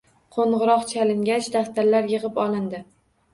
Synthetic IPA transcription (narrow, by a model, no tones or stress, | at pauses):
qʰoɴʁɨɾɒqt͡ʃʰalɪŋɡʲat͡ʃʰd̪aft̪ʰaɾlaɾjɨʁɨpɒlˠɪnd̪ɪ